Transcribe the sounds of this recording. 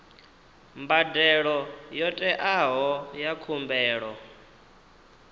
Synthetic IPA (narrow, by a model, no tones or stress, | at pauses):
mbadɛɺɔjɔtʼɛʔaɦɔjakʰumbɛːɺɔ